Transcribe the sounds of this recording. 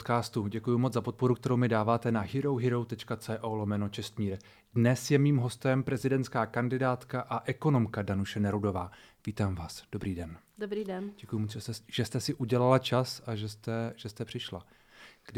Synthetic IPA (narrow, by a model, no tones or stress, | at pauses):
t̪kaːst̪uɟɛkujumo̞t͡sd͡zzapo̞t̪̚po̞ɾukt̪ɛɾo̞wmɪdaːvaːt̪ɛnaɦɪɾo̞wɦɪɾo̞wt̪ɛt͡ʃkat͡sɛːʔolomɛno̞t͡ʃɛst̪miːɾ | dnɛsjɛmiːmɦo̞st̪ɛmpɾɛzɪdɛnt̪skaːkandɪdaːt̪kaʔaʔɛko̞no̞mkadanuʃɛnɛɾudo̞vaː | viːt̪aːmvaːsd̥obɾiːdɛn | dobɾiɛnɟɛkujʊmoʒʒ̥ɛst̪ɛsɪʔuɟɛlalat͡ʃasaʒɛst̪ɛʒ̥ɛst̪ɛpr̥ɪʃla̰ | ɡ̥d